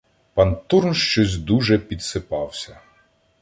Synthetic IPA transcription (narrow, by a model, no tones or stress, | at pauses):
pɑnt̪urnʃt͡ʃɔzʲd̪uʒɛpʲid̪sɪpɑwsʲɐ